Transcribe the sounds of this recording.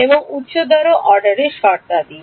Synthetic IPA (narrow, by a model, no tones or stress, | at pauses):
eboŋut̪ːʃod̪ɔɾoʔɔɾɖaɾeɾʃɔɾt̪ad̪i